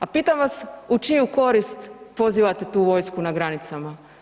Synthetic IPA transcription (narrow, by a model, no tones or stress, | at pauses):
apiːt̪amʋasut͡ʃijuko̞ɾist̪po̞ziːʋat̪e̞t̪uːʋo̞jskunaɡɾanit̪sama